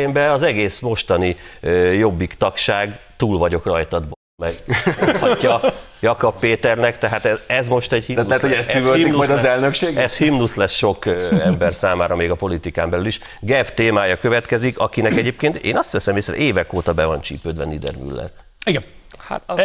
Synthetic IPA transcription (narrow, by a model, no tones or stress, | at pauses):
eːmbɛɒzɛɡeːsmo̞ʃt̪ɒnijo̞bːikt̪ɒkʃaːɡt̪uːlvɒɟo̞krɒjt̪ɒd̪̚b | mɛɡhɒcːɒ | jɒkɒpːeːt̪ɛrnɛkt̪ɛɦaːt̪ɛɛzmo̞ʃt̪ɛɟhiat̪lɛt̪oɛst̪yvølik̪umɒjd̪ɒzɛlnøkʃeːɡɛshimnuslɛsʃo̞kɛmbɛrsaːmaːɾɒmeːɡɒpo̞lit̪ikaːmbɛlyliʃ | ɡɛft̪eːmaːjɒkø̞vɛt̪kɛzikɒkinɛkɛɟeːp̚keːnt̪ḛːnɒst̪ʋɛsɛmisɛɾʔeːvɛkoːt̪ɒbɛvɒnt͡ʃḭːpød̪vɛ̰nid̪ɛ̰rmy̰lːɛ̰r | iɡɛha̰t̪